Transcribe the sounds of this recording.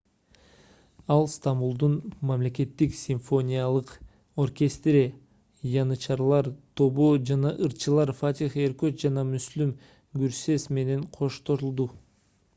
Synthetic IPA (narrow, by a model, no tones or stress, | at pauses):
ɑlˠst̪ambulˠd̪unmamle̞ke̞t̪ːiksʲiɱfo̞nʲijalˠɯq | o̞rkʲest̪rʲi | jɑnɯt͡ʃɑɾlˠɑɾt̪ʰo̞βod͡ʒɑnɑʔɯɾt͡ʃʰɯlˠɑɾfat̪ʲixeɾkøt̪d͡ʒɑnɑmyslym | ɡyɾse̞sme̞ne̞nqʰo̞ʃt̪o̞ɾulˠd̪u